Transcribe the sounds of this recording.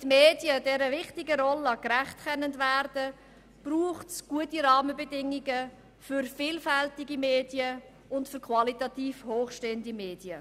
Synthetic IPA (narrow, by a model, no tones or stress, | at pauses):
tmeːdjədɛɾəvɪχtɪɡəɾɔlːəkɾæχtkʰɛnəndvæːɾd̥ə | b̥ruːχtsɡ̥uətiɾɑːməbɛdɪŋiɡə | fʏɾfiːlfɛltɪɡimeːdjə | ʊntfʏɾkʰvɑlitɑtiːfhoːχʃteːəndimeːdjə